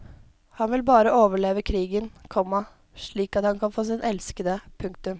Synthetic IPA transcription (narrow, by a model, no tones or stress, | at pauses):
hɑnʋɪlbɑːɾəʔoːʋəɭeːʋəkʰɾiːɡənkʰɔmːɑ | ʂɭiːkɑt̪hɑnkʰɑnfoːs̬iːnʔɛlskəd̪əpʰʉŋk̚t̪ʉm